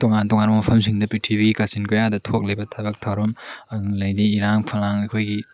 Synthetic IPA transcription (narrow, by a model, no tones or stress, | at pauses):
toŋantoŋanmɐmɐpʰɐmsiŋdɐpitʰibikasinkojadɐtʰok̚lɐjbɐtʰabɐk̚tʰawɾɐmɐduŋlɐjdiːɾaŋpʰɐlaŋɐjkʰojɡi